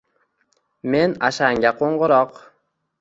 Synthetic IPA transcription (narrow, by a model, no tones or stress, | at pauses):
me̞naʃaŋɡʲaqʰoɴɢɨɾɒq